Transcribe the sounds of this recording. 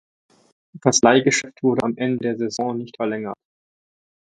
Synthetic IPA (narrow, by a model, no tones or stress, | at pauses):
faslaɪɡəʃɛftv̥ʊɐɾəamʔɛndədeːɐzezɔ̃ːnɪçtfɛɐlɛŋɐt